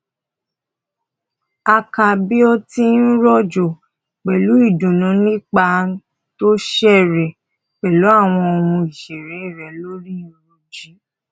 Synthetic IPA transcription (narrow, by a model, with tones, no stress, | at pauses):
a˧ka˨bi˦o˦ti˦n̩˦ɾɔ˦d͡ʒo˨ | k͡pɛ˨lu˨˦i˦˨dũ˨nũ˨˦nĩ˦k͡pa˧˦ | to˦ʃɛ˦˨ɾe˨ | k͡pɛ˨lu˨˦a˦˨w̃ɔ̃˧o˧wũ˧i˨ʃe˨ɾe˨˦i˦˨ɾɛ˨˦lo˦ɾi˦o˦ɾo˦˨d͡ʒi˨˦